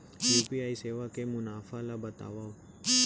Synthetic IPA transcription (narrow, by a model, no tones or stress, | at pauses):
juːpiaːiseːʋakemʊnaːfalabɐt̪a̰ːʋaː